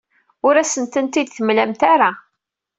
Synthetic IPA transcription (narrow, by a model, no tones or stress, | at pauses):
ʊɾæsənt̪ənt̪id̪θəmlæmt̪aɾa